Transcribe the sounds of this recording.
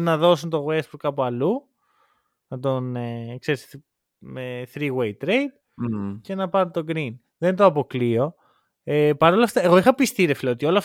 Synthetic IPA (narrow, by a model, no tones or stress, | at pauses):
nɐðo̞sunt̪o̞ɣwesbuɾkɐpuɐlu | nɐt̪o̞nekse̞ɾis | meθɾiɣwejt̪ɾe̞jd̪̥ | ce̞nɐpɐɾt̪o̞ɡɾin | ðe̞nt̪oɐpo̞klio̞ | epɐɾo̞lɐft̪ɐe̞ɣo̞ixɐpist̪iɾefilɐot̪io̞lɐf